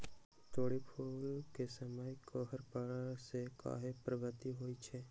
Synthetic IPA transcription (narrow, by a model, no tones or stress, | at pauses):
t̪oːɽipʰoːlkesəməjkoɦəɾpəɽseka̰ːɦepɾəʋət̪iɦoːit͡ʃʰeː